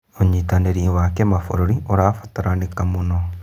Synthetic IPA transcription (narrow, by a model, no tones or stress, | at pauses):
oɲit̪aneɾiwakemafo̰ɾoɾioɾaːfat̪aɾanekamuno